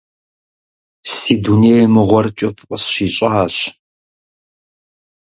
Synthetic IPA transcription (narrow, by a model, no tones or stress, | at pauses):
siːduneːjmɨʁʷɔrt͡ʃʼɪfqʼəsɕiːɕʼɐħaːɕ